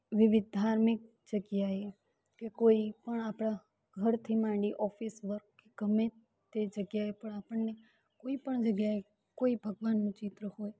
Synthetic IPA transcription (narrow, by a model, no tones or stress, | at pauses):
ʋɪʋɪd̪ʱaɾmɪk̚ | d͡ʒəɡjae | kekoipəɳapɽ̃a | ɡʱəɾt̪ʰimãɳɖiʔɔfisʋəɾkeɡ̥əme | t̪ed͡ʒəɡjaepəɳapəɳne | koipəɳd͡ʒəɡjae | koibʱəɡʋanːũt͡ʃɪt̪ɾəhoːj